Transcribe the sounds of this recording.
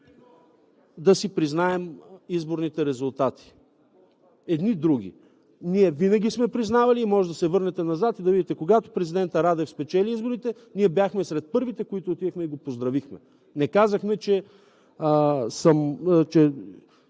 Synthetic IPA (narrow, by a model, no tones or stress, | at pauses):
d̪ɐsipɾiznaɛmizboɾnit̪ɛɾɛzʊlˠt̪at̪ʰi̥ | ɛd̪nid̪ɾuɡ̟ʲḭ | niɛvinɐɡʲismɛpɾiznavɐliːmɔʒɛd̪ɐsɛvɤɾnɛt̪ɛnɐzat̪id̪ɐvid̪it̪ɛkoɡat̪o̥pɾɛzid̪ɛnt̪əɾad̪ɛfspɛt͡ʃɛliizboɾit̪ɛ | niɛbjaxmɛsɾɛt̪̚pɤɾvit̪ɛkoit̪oːt̪id̪ɛxmɛiɡopozd̪ɾɐvixmɛ | nɛkazəxmɛt͡ʃɛ | səmt͡ʃɛ